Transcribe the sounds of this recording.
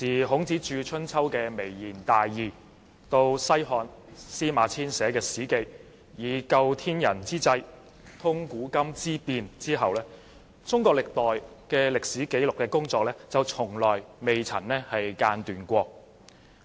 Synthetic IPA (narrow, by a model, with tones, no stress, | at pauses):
t͡siː˨ɦʊ˨˥ŋt͡siː˨˥t͡ʃyː˧t͡ʃʰɵ˥nt͡sʰɐ˥wkɛː˧me˨˩jjiː˨˩nt̪aː˨jːiː˨˩ | t̪o˧wsɐ˥jɦɔː˧nsiː˥maː˨˥t͡sʰiː˥nsɛː˨˥kɛː˧siː˨˥ke˧j | jiː˨˧kɐ˧wt̪ʰiː˥njɐ˨˩nt͡siː˥t͡sɐ˥j | t̪ʰʊ˥ŋkuː˨˥kɐ˥mt͡siː˥piː˧nt͡siː˥ɦɐ˨wlɛː˥ | t͡sʊ˥ŋkʷɔː˧k̚lɪ˨k̚t̪ɔː˨jkɛː˧lɪ˨k̚siː˨˥ke˨˥jlʊ˨˩kːɛː˧kʊ˥ŋt͡sɔː˧k̚lɛː˥t͡sɐ˨wt͡sʰʊ˨˩ŋlɔː˨˩jme˨jt͡sʰɐ̰˨˩nnɛː˥hɐ˨jkaː˧nt̪yː˨nkʷɔː˧k̚